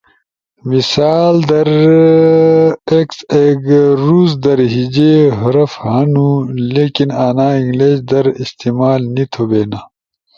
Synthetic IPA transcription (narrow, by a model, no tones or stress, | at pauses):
misaːld̪ɐɾ | ekseɡɾuːzd̪ɐɾɦid͡ʑeɦɐɾɐfhɐnũːleːkinaːnaːiŋɡleːd͡ʑd̪ɐɾist̪iːmaːlnit̪ʰobeːnaː